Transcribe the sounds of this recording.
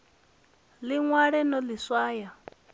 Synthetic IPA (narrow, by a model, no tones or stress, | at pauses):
liŋwaɺɛnɔliswaːja